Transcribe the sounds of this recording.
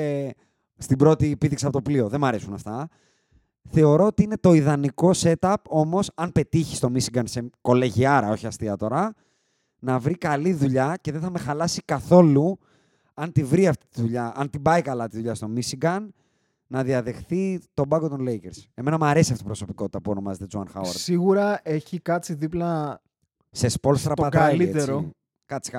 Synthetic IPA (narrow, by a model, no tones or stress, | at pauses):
st̪ibɾo̞t̪ipiðiksiɐpot̪oplio̞ðemɐɾe̞sunɐft̪ɐ | θe̞o̞ɾo̞ot̪iine̞t̪o̞iðɐniko̞se̞t̪ɐpo̞mo̞sɐnpe̞t̪içi̥st̪o̞misiɡɐnse̞ko̞leʝiɐɾɐo̞çiɐst̪iɐt̪o̞ɾɐ | nɐvɾikɐliðuʎɐceðenθɐme̞xɐlɐsikɐθo̞lu | ɐnt̪ivɾiɐft̪i̥t̪iðuʎɐɐnt̪ibɐikɐlɐt̪iðuʎɐst̪o̞misiɡɐnː | ɐðiɐðe̞xθit̪o̞bɐɡot̪o̞nle̞jkeɾse̞me̞nɐmɐɾe̞siɐft̪ipɾo̞so̞piko̞t̪i̥t̪ɐpuo̞no̞mɐzet̪ed͡zuɐnxɐ̰weɾsiɣuɾɐe̞çikɐt͡siðiplɐ | sespo̞lsst̪ɾɐpɐt̪ɐiliet̪eɾo | kɐt͡si̥